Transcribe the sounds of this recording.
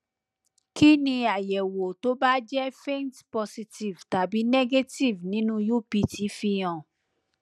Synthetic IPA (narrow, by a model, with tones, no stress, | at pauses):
ki˦nĩ˧a˨jɛ˨wo˨to˦ba˦d͡ʒɛ˦fe˦ntpɔ˧si˧ti˨vta˨bi˨˦nɛ˦ɡe˦ti˨vnĩ˨˦nũ˦ju˦˨pi˧˨ti˨˦fi˧j̃ã˨